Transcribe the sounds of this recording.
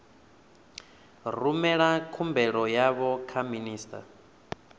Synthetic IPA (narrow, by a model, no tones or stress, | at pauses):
rumɛɺakʰumbɛɺɔjaβɔkʰaminiːstʰʼa̰